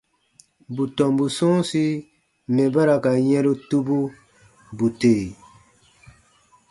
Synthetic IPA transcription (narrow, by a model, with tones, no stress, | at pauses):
bu˨tɔ˨mbu˨sɔ̃˦si˦ | mɛ̃˨ba˦ɾa˨ka˨jɛ̃˦ɾo˦tu˦bu˦ | bu˨te˨